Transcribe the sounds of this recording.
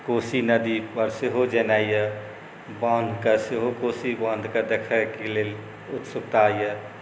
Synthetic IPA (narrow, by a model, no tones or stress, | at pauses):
koːsinəd̪ipəɾseɦod͡ʒənaːjə | bãːnd̪ʱkɐseɦokoːsibãːnd̪ʱkad̪ɐkʰəkeleːl | ʊt̪sʊkt̪aːijə